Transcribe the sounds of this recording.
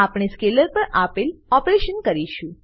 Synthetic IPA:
apɳ̃eskeləɾpəɾapelɔpɾeʃənkəɾiʃũ

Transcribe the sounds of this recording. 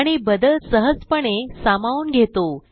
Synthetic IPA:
ɽ̃ibəd̪əlsəɦəd͡zpəɳesamauːnɡʱet̪o

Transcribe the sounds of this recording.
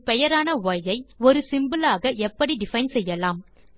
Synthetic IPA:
pɛjɐɾaːnɐʋɐjɐɪɔɾɯsɪmbɯlaːɣɐʔɛpːɐɽiɖɪfɐɪnsɛjːɐlaːm

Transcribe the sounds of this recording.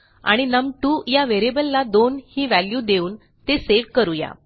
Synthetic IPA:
a̰ɽ̃inəmʈujaʋeɾebəlːad̪onhiːʋæljuːd̪euːn | t̪eseʋkəɾuja̰

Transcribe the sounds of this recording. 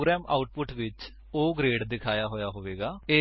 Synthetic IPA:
ɡɾɛːmʔa̰ːʊʈ̚pʊʈʋɪt͡ʃ | oːɡɾeːɖd̪ɪkʰaːjaːɦoːjaːɦoːʋeːɡaːeː

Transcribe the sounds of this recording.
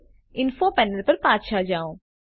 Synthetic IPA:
ɪnfʰoːpɛːnəlpəɾpaːt̪ʃaːd͡ʒaːõː

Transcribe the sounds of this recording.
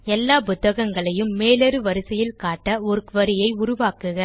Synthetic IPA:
ɛlːaːpʊt̪ːɐɣɐŋɡɐɭɐjɯmːeːlɐɾɯʋɐɾɯsɐjɪlkaːʈːɐɔɾɯkʋɐɾɪjɐɪʊɾʊʋaːkɯɣɐ

